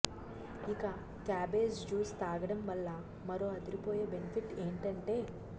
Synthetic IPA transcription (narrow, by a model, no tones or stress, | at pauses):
ikɐ | kaːbeːd͡ʒd͡ʒuːst̪aːɡɐɽɐmʋɐlːɐ | mɐɾo̞ːɐd̪iɾipoːjeːbenipʰiʈeːɳʈɐɳʈe̞ː